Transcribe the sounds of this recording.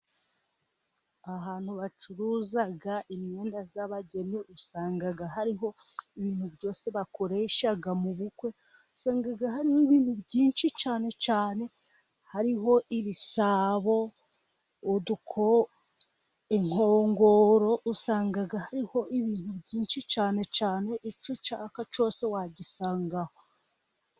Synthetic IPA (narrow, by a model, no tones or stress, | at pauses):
aɦaːn̥huβat͡ʃuɾuzaɡaʔimɲe̞ːndazaβaɟe̞niʔusaːŋɡaɡaɦaɾiɦo̞ | iβiːn̥huβɟo̞ːse̞βako̞ɾe̞ːʃaɡamuβukwe̞usaːŋɡaɡaɦaɾihoiβiːn̥hubɟiːnʃit͡ʃaːne̞t͡ʃaːne̞ | haɾiɦo̞ʔiβisaːβo̞ | udukʰo̞ | eŋ̥ho̞ːŋɡo̞ɾo̞ʔusaːŋɡaɡahaɾiho̞ʔiβiːn̥huβɟiːnʃit͡ʃaːne̞t͡ʃaːne̞ʔit͡ʃut͡ʃakat͡ʃo̞ːse̞waɟisaːŋɡaho